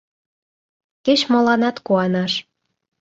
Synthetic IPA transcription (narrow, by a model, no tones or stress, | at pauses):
ket͡ɕmolɑnɑt̪kuɑnɑʃ